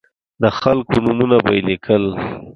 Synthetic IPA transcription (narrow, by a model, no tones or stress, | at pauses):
d̪əxalkonʊmunaba̰jlikʰəl